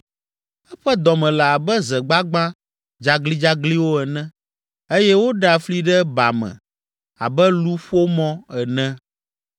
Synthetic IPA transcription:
ɛ˦ɸɛ˦d̪ɔ˨mɛ̃˨la˨a˨bɛ˦zɛ˨ɡ͡ba˦ɡ͡bã˦ | d͡ʒa˦ɡli˦d͡ʒa˦ɡli˦wo˦ɛ˨nɛ̃˦ | e˦jɛ˦wo˦ɖa˨fli˦ɖɛ˦ba̰˨mɛ̰̃˨ | a̰˨bɛ˦lu˦ɸo˦mɔ̃˦ɛ˨nɛ̃˦

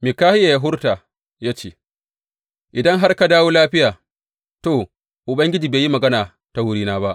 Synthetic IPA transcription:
mi˨kaː˦hɪ˦ja˨ja˨ɦʊ˦ɾta˨ | jaː˦t͡ʃḛː˨ | ʔɪ˨dɐ˦ŋɦa˦rka˨daː˦woː˦laː˦ɸɪ˦jaː˨ | toː˨ | ʔʊ˨bɐ˦ŋɡʲɪ˦d͡ʒiː˨beː˨ji˦mɐ˨ɡɐ˦naː˨ | ta˨˦wʊ˦ɾiː˦naː˦ba˦ʔ

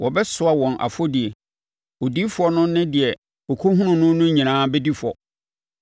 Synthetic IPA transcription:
wɔ˨bɛ˦sʊ˦a˨wɔ̃˨nʔa̰˨fɔ˦dɪ˨ɛ˨ | ɔ˨di˦fʊ˦ɔ˦nʊ̃˦nɪ̃˦dɪ˨ɛ˨ | ɔ˨kʰo˦ɦũ˦nʊ̃˨nʊ̃˦nʊ̃˦ɲĩ˨nãː˦bɛ˦di˦fɔ̰˨

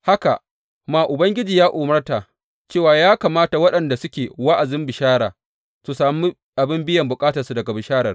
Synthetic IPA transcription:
ha˦ka˨ | maː˨ʔʊ˨bɐ˦ŋɡʲɪ˦d͡ʒiː˨jaː˦ʔʊː˨mɐ˦rta˨ʔ | t͡ʃeː˦˨waː˨jaː˦kaː˨maː˦ta˨wɐ˦ɗɐ˨nda˨sʊ˦kʲeː˨wa˦ʔa˨zɪ˦mbɪ˨ʃaː˦ɽaː˨ | su˨saː˨mi˦ | ʔa˨bɪ˦mbɪ˦jɐ˨mbʊ˨kʼaː˦tɐ˨su˨dɐ˨ɡa˨bɪ˨ʃaː˦ɽɐ˨r

